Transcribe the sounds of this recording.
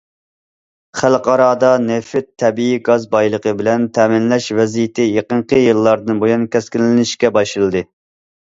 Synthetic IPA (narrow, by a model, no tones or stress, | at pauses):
χælqɑɾɑːd̪ɑnefɪt̪ʰːɛbiiɡɑzbɑjlˠəqʰəbɪlɛnt̪ʰɛːmɪnlɛʃvɛzijɪt̪ʰɪjeqəɴqʰəjɨlˠːɑɾd̪ɨnbojunkʲɛskʲinɪnɪʃkʲɛbɑʃɨlˠɨd̪ɨ